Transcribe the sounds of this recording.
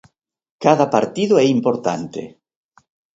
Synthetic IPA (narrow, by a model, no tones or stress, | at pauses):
kaðapaɾt̪iðoɛimpoɾt̪a̰nt̪ḛ